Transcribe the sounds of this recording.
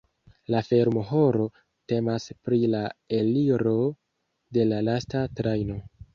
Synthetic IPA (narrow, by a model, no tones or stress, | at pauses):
lafe̞ɾmoɦo̞ɾo̞ | te̞maspɾilae̞liɾo̞ | de̞lalastatɾajno̞